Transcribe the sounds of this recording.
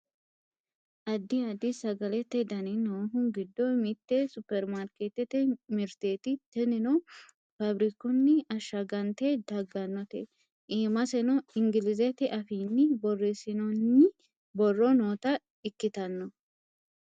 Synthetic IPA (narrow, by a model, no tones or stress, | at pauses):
ʔɐd̪ːɪɐd̪ɪsɐɡɐlɛt̪ːɛd̪ɐnɪnoːɦʊɡɪd̪ːɔmɪt̪ːɛsʊpːɛɾmaɾkeːt̪ɛt̪ɛmɪɾt̪eːt̪ɪt̪ɛnɪnɔ | fɐbɾɪkɔnːɪɐʃːɐɡɐnt̪ed̪ɐɡɐnːɔt̪ɛ̰ | ʔiːmɐsɛnɔɪŋɡɪlɪzɛt̪ɪʔɐfiːnːɪbɔrːesɪnɔnːɪ | bɔrːɔnoːt̪ɐ | ɪkːɪt̪ɐnːɔ